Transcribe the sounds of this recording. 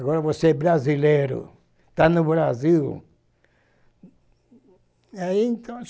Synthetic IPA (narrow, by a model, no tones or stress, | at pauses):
aɣɔɾɐvoseɛbɾazileɾʊ̰ | t̪anʊβɾaziw | aiẽnt̪ʰɐ̃